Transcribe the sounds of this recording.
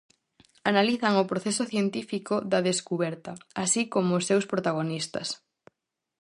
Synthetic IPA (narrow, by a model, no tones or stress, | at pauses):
analiθɐŋʊpɾoθesʊθjent̪ifikoðɐðeskuβɛɾt̪ɐasikomoʊːsːewspɾot̪aɣ̞onist̪ɐ̰s